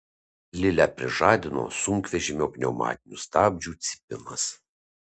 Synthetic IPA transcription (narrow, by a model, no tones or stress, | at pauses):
lʲɪlʲæpʲɾʲɪʒɑːd̪ʲɪno̰ːsʊŋʲkʋʲɛʒʲɪmʲoːkʲnʲɛʊmɑ̰ːt̪ʲɪnʲust̪ɑːbʲd͡ʒʲuːt̪sʲɪ̥pʲɪnɐs